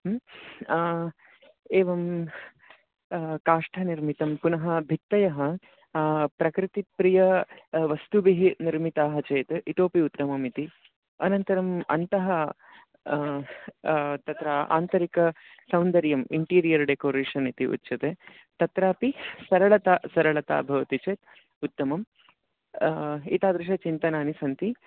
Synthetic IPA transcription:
eːʋɐm | kaːʂʈʰɐniɾmit̪ɐmpunɐɦɐbʱit̪ːɐjɐɦɐ | pɾɐkɾɪt̪ipɾijɐʋɐst̪ubiɦiniɾmit̪aːɦɐt͡ʃeːt̪eʔit̪oːpiut̪ːɐmɐmit̪i | ɐnɐnt̪ɐɾɐmɐ̰nt̪ɐɦɐ | t̪ɐt̪ɾaːʔa̰ːnt̪ɐɾikɐ | sɐwnd̪ɐɾjɐmiɳʈiːɾijɐɾɖekoːɾeːʂɐnit̪iʔṵt̪ːʃɐt̪eː | t̪ɐt̪ɾaːpisɐɾɐɭɐt̪aːsɐɾɐɭɐt̪a̰ːbʱɐʋɐt̪it͡ʃeːt̪ | ut̪ːɐmɐm | it̪aːd̪ɾɪʃ̬ɐt͡ʃint̪ɐnaːnisɐnt̪i

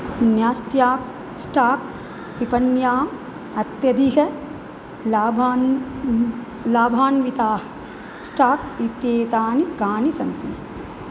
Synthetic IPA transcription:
njaːsʈjaːk | sʈaːk̚ | ʋipɐnjaːm | ɐt̪jɐd̪iɦɐ | aːbaːn | laːbʱaːnʋit̪aːɦɐ̥ | sʈaːk̚it̪jeːt̪aːnikaːnisɐnt̪ḭ

